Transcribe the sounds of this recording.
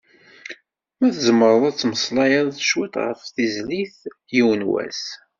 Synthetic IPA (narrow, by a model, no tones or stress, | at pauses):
mæθəzəmːəɾˤðˤæt͡sːməsˤlɑjɑðˤθʃwit̪ʁə̰fθizliθ | jiwənwæ̰s